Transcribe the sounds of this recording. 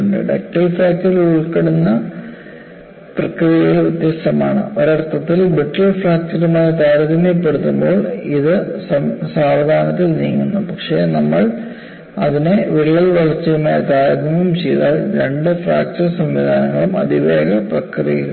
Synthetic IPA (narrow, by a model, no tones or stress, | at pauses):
ɳɖɨ̰ɖɐk̚ʈɐlfraːk̚t͡ɕɐriluɭkɐɽunːɐ | prɐkrijɐjɐilʋit̪jɐst̪ɐmaːɳɨ̰oɾɐrt̪ɐt̪ːilbiʈːɐlfraːk̚t͡ɕɐɾumaːjɐt̪aːɾɐd̪ɐmɐpːeɽut̪ːumboːɭiðɨsɐsaːʋɐd̪ʱaːnɐt̪ːilniːŋːunːupɐkʂeːnɐmːɐɭ | ɐðineʋiɭijɐlʋɐɭɐrt͡ɕːɐjumaːjɐt̪aːɾɐd̪ʱɐmumt͡ɕejða̰ːɭɾeɳɖɨfra̰ːk̚t͡ɕɐrsɐmʋid̪ʱaːnɐŋːɐɭumɐ̰d̪iʋeːɡɐprɐkrijɐ